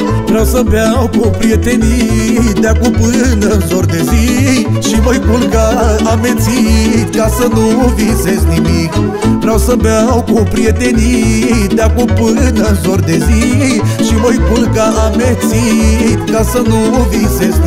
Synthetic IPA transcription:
vɾawsəbeawkupɾiet̪enid̪eakupɨnəzord̪eziʃiməjkulkaamet̪sit̪kasənuvinsesknimik | vɾawsəbawkupɾije̞t̪e̞nit̪̚d̪akupɨnəzoɾd̪eziʃimojkulkaʔamet̪sit̪kasənu | visesk

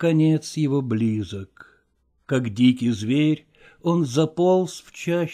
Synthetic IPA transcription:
kɐnʲet̪sjɪvo̞blʲizəkː | akdʲikʲɪjzvʲeɾʲ | onzɐpolˠsft͡ɕæ

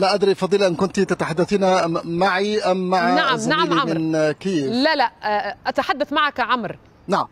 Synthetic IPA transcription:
laʔad̪ɾifɑd̪ˤiːlʔɪnkʊnt̪it̪at̪aħad̪ːaθiːnamaʕiʔamːaʕnaʕamnaʕmiamɪnkiːlalaʔʔat̪aħad̪ːaθmaʕakʕamɾ | naʕam

